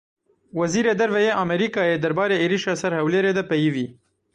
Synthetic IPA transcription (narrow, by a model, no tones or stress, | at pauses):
waziɾed̪aɾvajeʔameɾikɑjed̪aɾbɑɾeeɾiʃasaɾhawleɾed̪apajiwi